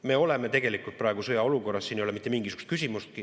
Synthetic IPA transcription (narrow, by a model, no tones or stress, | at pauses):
me̞o̞le̞me̞t̪e̞ɡe̞likult̪̚prɑˑeɡ̥usɤjɑo̞luko̞rːɑsːinejolemit̪ːˑemiŋɡ̥isyɡ̥ust̪kys̬ʲimust̪̚ki